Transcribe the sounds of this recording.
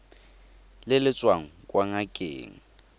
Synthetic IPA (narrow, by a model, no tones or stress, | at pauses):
lɪlɪt͡sʼwaŋ̩kʼwaŋakʼḛːŋ̩